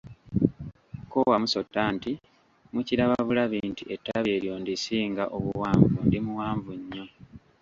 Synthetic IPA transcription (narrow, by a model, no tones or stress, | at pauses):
kowamuso̞tːanti | muciɾaβaβulaβiːntie̞tːaβe̞ɾjo̞ndisiːŋɡaʔo̞βuwaːɱvundimuwaːɱvuɲːo̞